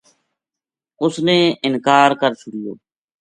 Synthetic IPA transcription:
ʊsneːɪnkaːɾkəɾt͡ʃʰʊɽɪjo̰ː

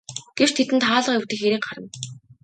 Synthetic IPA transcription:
ɡ̥ewt͡ɕt̪ʰet̪ɘ̆nt̪ʰaːɮə̆qjʊwt̪ɘ̆xeɾiːŋɢaɾə̆m

